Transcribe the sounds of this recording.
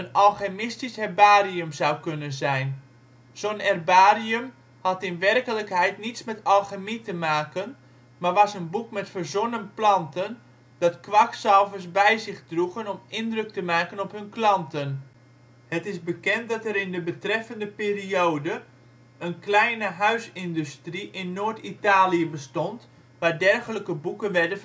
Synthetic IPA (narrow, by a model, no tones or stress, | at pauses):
ənɑlˠxamɪstisɛrbaːriəmzawkønənzɛjn | z̥onɛrbaːriəm | hɑtɪnʋɛrkələkhɛjtnitsmɛtɑlˠxamitəmaːkən | marʋɑsənbukmɛtfərzonənplɑntən | d̥ɑtkʋaksɑlˠvəsbɛjzɪχdruɣənɔmɪndrɵk̚təmaːkənɔpɦɵnklɑntən | hətɪsbəkɛntdɑtɛɾɪndəbətrɛfəndəpiːriowdə | ənklɛjnəɦœɥsɪndystriʔɪnːoːɹtitaːliəbəstɔnt | ʋaːdɛrɣələkəbukənʋɛdə